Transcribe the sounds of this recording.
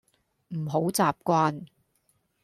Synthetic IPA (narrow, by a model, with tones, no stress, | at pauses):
m̩˨˩ɦo˨˥wt͡saː˨p̚kʷaː˧n